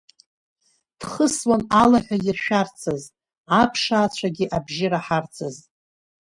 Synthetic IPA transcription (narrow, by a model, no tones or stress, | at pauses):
d̥χəswanalaħᶣajɪrʃᶣart͡sʰɨz | apʰʂaːt͡ɕʷʰaɡʲiʔabʒɪɾaħart͡sʰɨz